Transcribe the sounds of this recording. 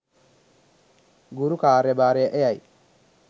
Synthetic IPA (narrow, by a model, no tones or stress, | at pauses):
ɡuɾukaːɾɛbaːɾɛʔejaj